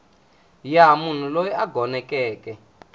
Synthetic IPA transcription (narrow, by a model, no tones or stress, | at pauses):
jamun̤ulojiaɡʱɔnɛkɛːkɛ